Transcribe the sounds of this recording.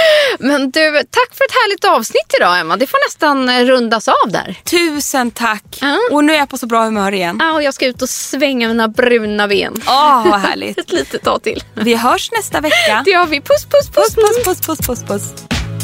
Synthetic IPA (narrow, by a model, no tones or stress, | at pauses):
mɛnd̪ʉ̟ːt̪ʰakːfœɾɛt̪hæːɭɪɡ̚t̪ɑːvsnɪt̪ːɪd̪ɑːɛmːad̪ɛfoːɳɛst̪anɾɵnd̪asɑːvd̪æ̰ːɾt̪ʰʉ̟ːsənt̪ʰakːɔnʉ̟æɾjapʰɔsɔbɾɑːhɵmœœːɾɪjɛnːaɔjɑːɡskaʉ̟ːt̪ɔsvɛŋːamiːnabɾʉ̟ːnabḛːnɔvaɦæ̰ːɭɪ̰ɡtɛt̪liːt̪ət̪ʰːɑ̰ːt̪ʰɪ̰lːvɪɦœːʂnɛst̪avɛkːad̪ɛhavɪpʰʊspʰʊspʰsspʰʊspʰʊspʰʊspʰʊs